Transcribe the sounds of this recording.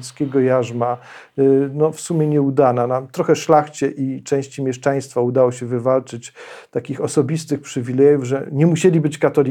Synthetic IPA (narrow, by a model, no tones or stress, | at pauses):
t̪skʲɛɡɔjaʐma | nɔfsumʲjɛɲɛud̪ananamt̪ɾɔxɛʂlaxt͡ɕɛʔit͡ʂɛ̃w̃ɕt͡ɕimʲjɛʂt͡ʂaj̃st̪faud̪awɔɕɛvɘvalt͡ʂɘt͡ɕt̪akʲixɔsɔbʲist̪ɘxpʂɘvʲilɛjuvʐɛ̰ɲɛmuɕɛlʲibɘt͡ɕkat̪ɔlʲi